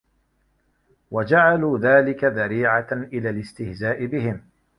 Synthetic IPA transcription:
wad͡ʒaʕaluːðaːlɪkaðaɾiːʕaʔɪlaːlɪst̪ɪhzaːʔɪbɪɦɪm

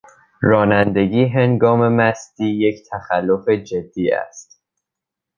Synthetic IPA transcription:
ɾɒːnænd̪e̞ɟiːɦeŋɡɒːme̞mæsd̪̥iːjecʰt̪ʰæxælːo̞fe̞d͡ʒe̞d̪ːiːæ̰st̪

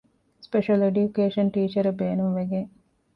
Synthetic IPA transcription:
speʃɐleɖjukeːʃɐɳʈiːt͡ʃɐɾɐbeːnumʋeɡeŋ

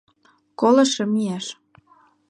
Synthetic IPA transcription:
kolɤ̆ʃɤ̆miæʃ

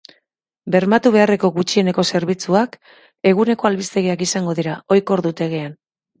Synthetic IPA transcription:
be̞ɾmat̪uβe̞are̞ko̞ɣut͡ʃie̞ne̞ko̞se̞ɾβ̞it͡suak | e̞ɣ̞une̞ko̞alβist̪e̞ɣiakisaŋɡo̞ð̞iɾao̞jko̞ɾðut̪e̞ɣe̞an

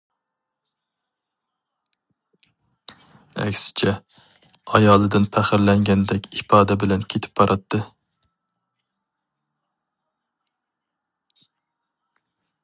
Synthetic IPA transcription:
æ̰kʲsɪ̥t͡ʃʰɛ | ɑjɑːlˠɨd̪ɨnpʰæχɪɾlɛŋɡʲɛnd̪ɛkʲɪpɑːd̪ɛbɪlɛnkʲʰet̪ʰɪ̥p̚bɑɾʔɑt̪ʰːɨ

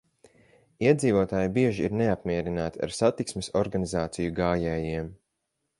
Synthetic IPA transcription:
iɛd̪ziːvuɔt̪aːjbiɛʒiiɾneapmiɛɾinaːt̪ia̰ɾsat̪iksmesɔɾɡanizaːt̪sijuɡaːjɛːjiɛm

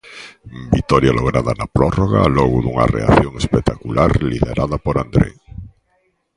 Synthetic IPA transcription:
bit̪ɔɾjaloɣ̞ɾaðanapɾɔroɣalɔɣʊðuŋa̰rḛa̰θjoŋespet̪akulʔaɾliðeɾaðapoɾand̪ɾḛŋ

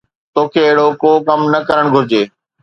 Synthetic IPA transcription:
t̪oːkʰeːɪɦɽokoːkɐmnɐkɐɾəɽ̃ɡʱʊɾɪd͡ʑeː

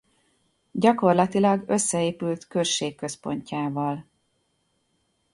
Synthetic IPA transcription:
ɟɒko̞rlɒt̪ilɒɡøsːɛeːpylt̪kørʃːeːkːø̞spo̞̰ɲcaːvɒl

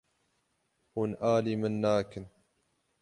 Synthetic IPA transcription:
hunʔaːliːmənːaːkɪn

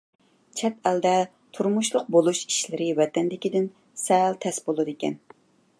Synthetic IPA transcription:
t͡ʃʰɛt̪ɛld̪ɛ | t̪ʰuɾmuʃlˠʊq̚bolˠuʃi̥ʃlɪɾɪwɛt̪ɛnd̪ɪkʲid̪ɪn | sɛlt̪ʰɛsbolˠɨd̪ɪkʲɛ̰n

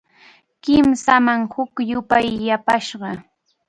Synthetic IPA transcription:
kɪmsamaŋhʊkjʊpajːapaʃɢɑ

